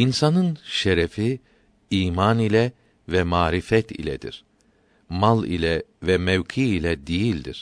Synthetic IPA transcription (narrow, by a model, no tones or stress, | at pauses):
insanɯnʃeɾɛfi | iːmanilʲɛ | vɛmaːɾifɛt̪ʰḭlʲɛ̰d̪ḭɾ̥ | malˠḭlʲɛvɛmɛvcʰiːlʲɛd̪ijilʲd̪ḭɾ̥